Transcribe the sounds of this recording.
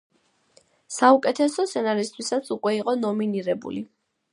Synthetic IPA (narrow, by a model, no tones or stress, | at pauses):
saukʼɛt̪ʰɛsɔsʰɛnaɾist̪ʰwisat̪sʰukʼwɛiqʼɔnɔminiɾɛbṵli